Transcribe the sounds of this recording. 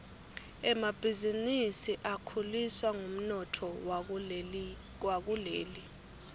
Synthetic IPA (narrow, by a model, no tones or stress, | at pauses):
ɛmab̥ʱizinisiʔakʰuliswaŋum̩nɔtʰɔ | wak̬uleːli